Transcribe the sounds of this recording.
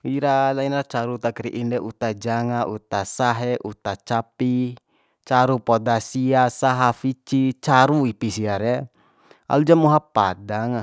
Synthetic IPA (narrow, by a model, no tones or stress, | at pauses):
iɾalainat͡ʃaɾut̪akiɾiʔindɛʔut̪ad͡ʒaŋaʔut̪asaɦɛʔut̪at͡ʃapi | t͡ʃaɾupodasiasaɦafit͡ʃit͡ʃaɾuipisiaɾɛ | a̰lud͡ʒamuɦapadaŋ